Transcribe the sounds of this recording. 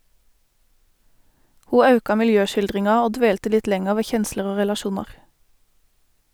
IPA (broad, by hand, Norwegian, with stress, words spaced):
ˈhuː ˈɑʉkɑ mɪlˈjøːʃɪlˌdʁɪŋɑ ˈoː ˈdʋeːltə ˈlɪt ˈlɛŋəʁ ˈʋeː ˈçɛnsləʁ ˈoː ʁɛlɑˈʃuːnɑʁ